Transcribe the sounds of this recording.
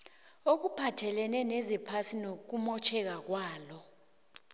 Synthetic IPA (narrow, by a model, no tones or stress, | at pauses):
ok̬upʰatʰɛlɛnɛnezipʰasinok̬umɔt͡ʃʰɛk̬ak̬waːlɔ